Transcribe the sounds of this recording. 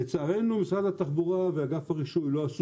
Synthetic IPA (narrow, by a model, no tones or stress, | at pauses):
et͡saːʁe̞numisʁad̪at̪aχbuʁaveaɡafaʁiʃujlo̞as